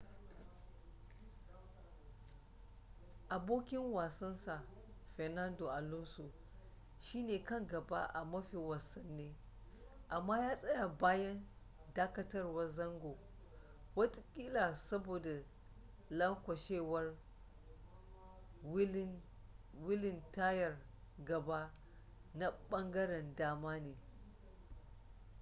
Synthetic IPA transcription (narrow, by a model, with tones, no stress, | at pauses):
ʔa˨boː˦kʲɪ˦ŋwaː˨sɐ˦nsa˨ | ɸɛ˨na˦ndo˨ʔa˨lʊ˦so˨ | ʃiː˦neː˨kɐ˦˨ŋɡɐ˨ba̰˦ʔa̰˨mɐ˦ɸi˨wa˨sɐ˦nːeː˦ | ʔa˨mːaː˦jaː˦sʼɐ˦ja˨baː˦jɐ˦n | daː˦kɐ˦tɐ˦rwɐ˦rzɐ˦ŋɡo˨ | wɐ˦tʼkʲʼiː˦laː˨sɐ˦boː˨da˨ | lɐ˦ŋkʷɐ˨ʃeː˦˨wɐ˦r | wɪ˦lɪ˨ntaː˦jɐ˨r | ɡɐ˨baː˦ | na˦ɓɐ˦ŋɡɐ˦ɽɛ˨ndaː˦maː˦neː˨